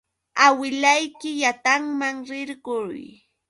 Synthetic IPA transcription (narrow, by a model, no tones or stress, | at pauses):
awɪlajkɪjat̪aŋmaŋɾɪɾɢʊj